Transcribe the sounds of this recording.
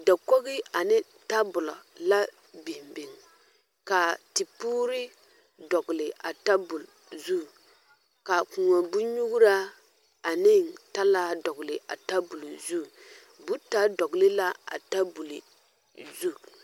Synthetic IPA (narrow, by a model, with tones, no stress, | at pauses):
da˨kɔ˦ɣɪ˦a˨nɪ˦ | ta˦bʊ˨lɔ̰˨la˦ | bɪ˨hmbɪ˨ŋ | ka˨ti˨puː˦ɾɪ˦ | dɔ˨ɡʊ˨lɪ˨ʔa˨ta˦bʊ˨l | zu˦ | ka˨ku˨ŋa˨bu˦ɲu˦ɡu˦ɾa˦ | a˨nɪ˦˨ŋta˦la˦dɔ˨ɣʊ˨lɪ˨ʔa̰˨ta˦bʊ˨lzu˦˨ | bu˦ta˦dɔ˨ɡlɪ˦la˦a̰˨ta˦bu˨lɪ̰˨ | zu˦